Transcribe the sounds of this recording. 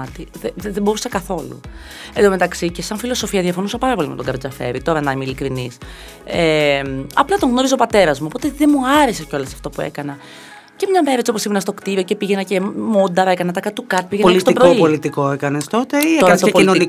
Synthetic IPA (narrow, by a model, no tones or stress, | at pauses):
t̪iðeeðebo̞ɾusɐkɐθo̞lṵ | ed̪ome̞t̪ɐksicesɐɱfilo̞so̞fiɐðiɐfo̞nusɐpɐɾɐpo̞limet̪oŋɡɐɾed͡zɐfe̞̰ɾit̪o̞ɾɐnɐimeilikɾinis | emɐplɐt̪oŋɣno̞ɾizeopɐt̪e̞ɾɐzmuopo̞t̪eðemuɐɾeseceo̞lɐsɐ̥ft̪o̞puḛkɐnɐ | ce̞mɲɐmeɾet͡sioposimnɐst̪okt̪iɾioce̞piʝenɐce̞mo̞nd̪ɐɾekɐnɐt̪ɐkɐt̪ukɐɾt̪̚piʝenɐist̪pɾoipolit̪ikoekɐnest̪o̞t̪eieoɐsoepoilinoni